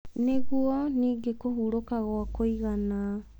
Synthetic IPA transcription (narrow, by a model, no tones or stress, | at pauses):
neɣuɔniːɡekoɦuɾokaɣwakoiɣana